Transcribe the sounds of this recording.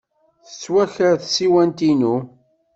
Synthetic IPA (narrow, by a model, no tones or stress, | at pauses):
θə̥t͡sːwæçəɾθsiwænt̪inu